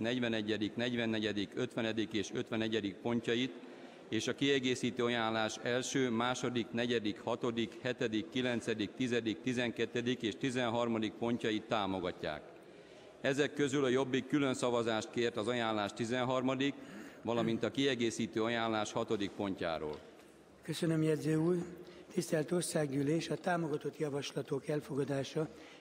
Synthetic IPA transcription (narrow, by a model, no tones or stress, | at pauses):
nɛɟʋɛnɛɟːɛd̪iknɛɟʋɛnːɛɟɛd̪ikøt̪ʋɛnɛd̪ikeːʃøt̪ʋɛnɛɟɛd̪ik̚po̞ɲcɒjit̪ | eːʃɒkiɛɡeːsiːt̪øːɒjaːnlaːʃɛlʃøːmaːʃo̞d̪iknɛɟɛd̪ikhɒt̪o̞d̪ikhɛt̪ɛd̪ikːilɛnt̪sɛd̪ik̚t̪izɛd̪ik̚t̪izɛŋkɛt̪ːɛd̪ikeːʃt̪izɛnɦɒrmɒd̪ik̚po̞ɲcɒjit̪ːaːmo̞ɡɒcːa̰ːk | ɛzɛkːø̞zylɒjo̞bːikːylø̞nsɒvɒzaːʃt̪̚keːrt̪ɒzɒjaːnlaːʃt̪izɛnɦɒrmɒd̪ikʋvɒlɒmint̪ɒkiɛɡeːsiːt̪øːɒjaːnlaːʃhɒt̪o̞d̪ik̚po̞ɲca̰ːɾo̰ːl | køsønømjɛd̪zøːuːrt̪ist̪ɛlt̪o̞rsaːɡyleːʃɒt̪aːmoɡɒt̪o̞t̪jɒvɒʃlɒt̪okɛlfoɡɒd̪aːʃɒ